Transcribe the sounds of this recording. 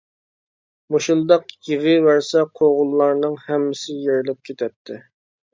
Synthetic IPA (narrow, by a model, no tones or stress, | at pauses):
moʃulˠd̪ɑqjeʁəwæɾsɛqʰoʁʊlˠːɑɾnɨŋhɛmːɪsɪjeɾɪlɪp̚kʲʰet̪ʰɛp̚t̪ʰːɪ